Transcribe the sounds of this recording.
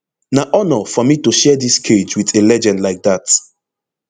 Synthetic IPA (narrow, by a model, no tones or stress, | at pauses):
naʔɔnɔfɔmituʃɛdiskʰed͡ʒwiθelɛd͡ʒɛ̃ndlaɪk̚dat